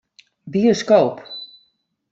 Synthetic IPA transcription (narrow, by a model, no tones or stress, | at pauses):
bioskowp